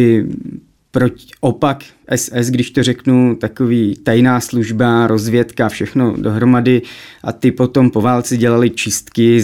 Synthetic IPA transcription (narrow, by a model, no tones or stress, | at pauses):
ɪ | pɾoʔopakʔɛsɛs̬ɡdɪʃt̪o̞rɛknut̪ako̞viːt̪ajnaːsluʒbaɾo̞zvjɛt̪kafʃɛxno̞do̞ɦɾo̞madɪʔat̪ɪpo̞t̪o̞mpo̞vaːlt͡sɪɟɛlalɪt͡ʃɪst̪kɪ